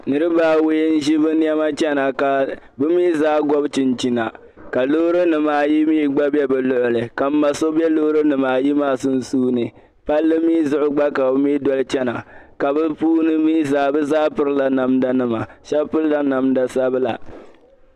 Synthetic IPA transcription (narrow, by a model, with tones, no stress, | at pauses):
nɨ˦ɾɨ˦baː˦˨wi˦jn̩˦ʒi˦bɨ˦n˦ɛ˦ma˦t͡ʃɛ˦na˨ka˨ | bɨ˦miː˦zaː˦ɡɔ˦bt͡ʃɪ˨nt͡ʃi˨˦na˨ | ka˨lo˦ɾo˦nɨ˨maː˨ji˦miː˦ɡ͡ba˦bɛ˦bɛ˨lʊ˦ʔʊ˨lɨ˨ka˨m̩˦ma˨so˦bɛ˦loː˦ɾo˦nɨ˨maː˨ji˦maː˦sʊ˦n˦suː˦nɨ˨ | pa˦lːɨ˦miː˦zʊ˦ʔʊ˦ɡ͡ba˦ka˨bɨ˦mi˦dɔ˦lɨ˦t͡ʃɛ˦na˨ka˨bɨ˦puː˦nɨ˦miː˦zaː˦bɨ˦zaː˦pɨ˦ɾɨ˦la˨na˨mda˦nɨ˦ma˨ʃɛ˦bpʊ˦lla˦na˨mda˨sa˦bɨ˦la̰˨